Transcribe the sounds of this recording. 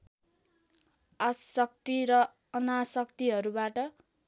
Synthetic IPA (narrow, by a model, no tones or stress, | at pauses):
asʌk̚t̪iɾʌ | ʌnasʌkt̪iɦʌɾubaʈʌ